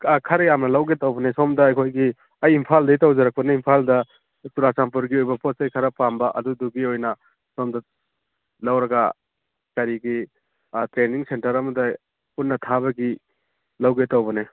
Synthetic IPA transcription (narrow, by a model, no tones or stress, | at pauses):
kʰɐɾɐjamnɐlawɡetawbɐnesomdɐːjkʰojɡi | ɐjimpʰaldɐitawzɐɾak̚pɐneimpʰaldɐ | tuɾasamp̬uɾɡiojbɐpot̚sajkʰaɾɐpambɐʔɐ̰duduɡiojnɐ | somdɐ | lawɾɐɡa̰ | kɐɾiɡi | tɾeniŋsentɐɾɐmɐdɐ | punːɐtʰabɐɡi | lawɡetawbɐne